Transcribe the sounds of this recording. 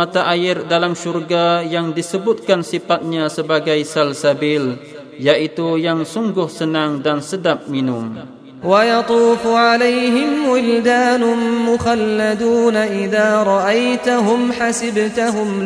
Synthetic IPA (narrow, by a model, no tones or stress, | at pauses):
at̪aʔajɪrdalamʃurɡajaŋdisəbʊt̪̚kansifat̪̚ɲasəbaɡajsalsabɪl | jaʔit̪ujaŋsuŋɡʊhsənaŋdansədap̚minʊm | wajɑt̪ˤuːfʊʕalajɦɪmwɪld̪aːnʊmʊxalːad̪uːnaʔɪðaːɾˤɑʔajt̪aɦʊmħasɪbt̪ʊɦʊm